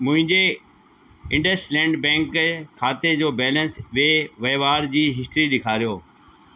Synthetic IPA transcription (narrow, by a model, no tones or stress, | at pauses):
mʊ̃ɦɪ̃ɲd͡ʑe | ɪ̃ɳɖəsʈlɛ̃ːɳɖbɛ̃ːŋkkʰaːt̪ed͡ʑoːbɛːlənsʋeːʋɐːʋaːɾd͡ʑiːɦɪsʈɾiɗɪkʰaːɾijoː